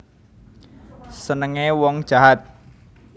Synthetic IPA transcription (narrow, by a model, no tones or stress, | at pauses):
sənəŋewɔŋ̥ʒ̥ä̤ɦat̪̚